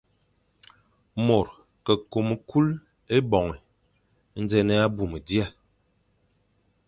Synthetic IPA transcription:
mo˨ɾ | kə˨ko˨mə˨kʰu˦l | e˦bɔ˨ŋɛ˨ | n̩˦d͡zɛ˦nɛ˦a˦bu˨mə˨di˦a˦˨

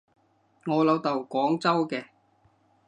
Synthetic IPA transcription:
ŋɔː˨˧lɐ˨˧wt̪ɐ˨wkʷɔː˨˥ŋt͡sɐ˥wkɛː˧

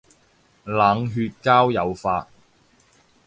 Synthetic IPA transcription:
laː˨˥ŋɦyː˧t̚kaː˥wjɐ˨˧wfaː˧t̚

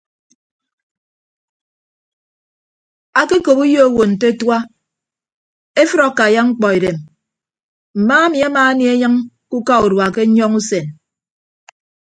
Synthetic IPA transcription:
a˨ke˦ko˨pu˦jo˦o˦wo˨n̩˨te˦twa˦ | e˦fɨ˦ɾɔ˨ka˨ja˦ŋ͡m̩˦k͡pɔ˨i˨ɾe˨m | m̩˨maː˦a˦mi˨a˦maː˨˦ni˦e˦ɲa˦ŋ | ku˦ka˦u˨ɾwa˨ke˦ɲɔ˦ŋu˦se˨n

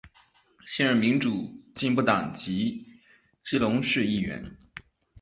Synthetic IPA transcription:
ɕɛ˥˧nɻə˥˩nmi˧˥ŋʈ͡ʂu˨˩t͡ɕi˥˧npu˥˩t̪ɑ˨˩ŋt͡ɕi˧˥ | t͡ɕi˥lʊ˧˥ŋʂɻ̩˥˧i˥˩ɥɛ̰˧˥n

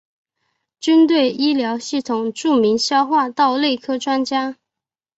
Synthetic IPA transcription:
t͡ɕy˥nt̪we˥˩ɪʔi˥ljɑ˧˥ʊɕi˥˩t̪ʰʊ˨˩ŋʈ͡ʂu˥˩mi˧˥ŋɕjɑ˥ʊxwa˥˧t̪ɑ˥˧ʊle˥˩ɪkʰɤ˥ʈ͡ʂwa˥nt͡ɕja˥

